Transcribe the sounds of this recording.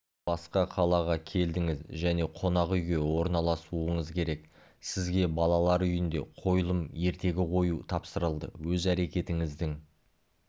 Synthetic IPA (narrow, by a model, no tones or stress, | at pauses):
b̥ɑsqɑqʰɑlˠɑʁɑkʲʰe̞ld̪ɪŋɪzʒæne̞qʰo̞nɑqʏjɡʲe̞wo̞ɾnɑlˠɑsuəɴəzkʲʰe̞ɾe̞k | sɪzɡʲe̞bɑlˠɑlˠɑɾʏjɪnd̪e̞̰qʰo̞jlˠəmje̞ɾt̪e̞ɡʲɪqʰo̞jut̪ʰɑpsəɾəlˠd̪ə̰wɵzæɾe̞kʲe̞t̪ɪŋɪzd̪ɪŋ